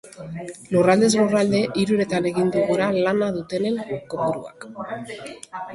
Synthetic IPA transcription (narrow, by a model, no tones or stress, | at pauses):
lurald̪e̞zlurald̪e̞ʔiɾuɾe̞t̪ane̞ɣind̪uɣuɾalanaðut̪e̞ne̞nkoβuɾua̰k